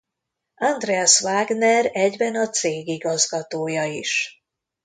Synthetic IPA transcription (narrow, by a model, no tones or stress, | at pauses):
ɒnd̪rɛɛsvaːɡnɛɾɛɟbɛnɒt̪seːɡiɡɒzɡɒt̪oːjɒiʃ